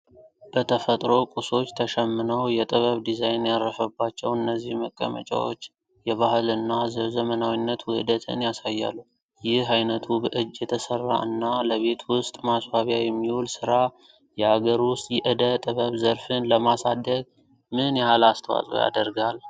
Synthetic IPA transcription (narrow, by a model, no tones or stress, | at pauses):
b̥ət̪ʰəfət̪ʼɾo̞kʼuso̞t͡ʃːt̪ʰəʃɛmːɨnəwjɛt̪ʼɨβəβd̪izajnjaɾːəfəbːat͡ʃːɛwɨnːəzːihməkʼːə̰mə̰t͡ʃʼa̰wo̞̰t͡ʃː | jɛβahɨlɨnːazəzəmənawinːət̪wʊhd̪ət̪ʰɨ̰njasajːa̰lːu | jɪhɦajnət̪ʰubəʔɨd͡ʒːjɛt̪ʰəsərːa̰ɨnːaləβe̞t̪wʊst̪ʼmasbaβjajɛmːiholsɨɾa | jɛhaɡəɾwʊst̪ʼjɛʔɨd̪ət̪ʼɨβəβzəɾfɨnləmasad̪əɡ | mɨnjahalast̪ʰəwa̰sʼo̰ja̰d̪əɾɡal